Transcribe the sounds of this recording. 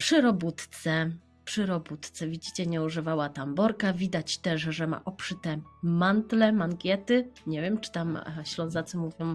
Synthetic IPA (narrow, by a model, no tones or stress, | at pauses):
pʂɨɾɔbut̪t̪sɛ | pʂɘɾɔbut̪t̪sɛvʲid͡ʑit͡ɕɛɲɛuʐɘvawat̪ambɔɾkavʲid̪at͡ɕt̪ɛʂʐɛma̰ʔɔpʂɘt̪ɛmant̪lɛmaŋkʲjɛt̪ɘɲevʲjɛmt͡ʂɘ̥t̪am̰ɕlɔ̃zat̪sɔmuvʲjɔ̃w̃